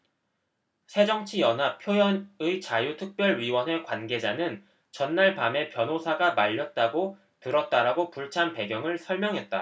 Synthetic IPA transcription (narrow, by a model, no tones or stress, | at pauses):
sʰe̞d͡ʑʌŋt͡ɕʰijʌnɦap̚pʰjojʌnɯit͡ɕajutʰɯk̚p͈jʌɭɥiwʌnɦe̞kwanɡe̞d͡ʑanɯn | t͡ɕʌnːaɭpame̞pjʌnosʰaɡamaʎːʌt̚t͈aɡo | tɯɾʌt̚t͈aɾaɡopuɭt͡ɕʰanpe̞ɡjʌŋɯɭsʰʌɭmjʌŋɦe̞t̚t͈a